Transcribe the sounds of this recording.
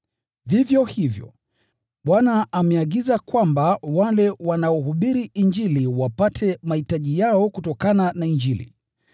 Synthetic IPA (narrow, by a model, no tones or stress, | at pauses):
vivjɔhivjɔ̰ | ɓwanaːmɛaɠizakwambawalɛwanaɔɦuɓiɾiʔiɲd͡ʒiliwapatʰɛmahitaʄijaɔkutɔkananaind͡ʒilḭ